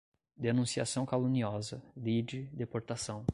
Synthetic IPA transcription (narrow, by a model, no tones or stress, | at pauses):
d̪enũsia̰sɐ̃w̃kalũniɔzɐlid͡ʒɪd̪epoɾt̪asɐ̃w̃